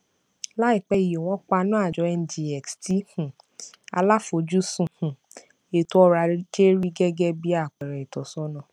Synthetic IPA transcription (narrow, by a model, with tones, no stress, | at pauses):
la˦i˦˨k͡pɛ˧˦i˨jo˨w̃ɔ̃˨˦k͡pa˧˦nũ˦a˦˨d͡ʒɔ˨˧˦ɛ˧n˦di˧ɛ˨ksti˨˦hũ˨ | a˧la˦fo˧˦d͡ʒu˦sũ˦˨hũ˨ | e˨to˦ɔ˧˦ɾa˧˦d͡ʒe˦ɾi˦ɡɛ˦ɡɛ˦bi˦a˦˨k͡pɛ˨ɾɛ˨i˨tɔ˨sɔ˨˦nã˦˨